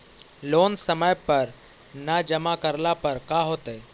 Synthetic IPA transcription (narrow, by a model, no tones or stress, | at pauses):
loːnsəməjpəɾ | nad͡ʒəmakəɾlapɐɾkaɦoːt̪eː